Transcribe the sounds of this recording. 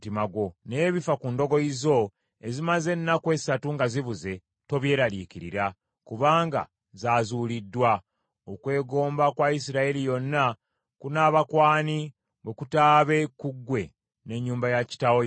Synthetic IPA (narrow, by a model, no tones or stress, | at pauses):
timaɡo̞ne̞ːβifakundo̞ɡo̞izo̞ | ezimaze̞nːakwe̞ːsatuŋɡaziβuze̞ | to̞βje̞ːɾalikiɾḭɾa | kuβaːŋɡa̰ | zaːzuːlidːwa | okwe̞ːɡo̞ːmbakwais̬iɾaelijo̞nːa | kunaːβakwaːni | wwe̞kutaːβe̞kuɡːwe̞ | ne̞ɲːuːmbajaci̥tawo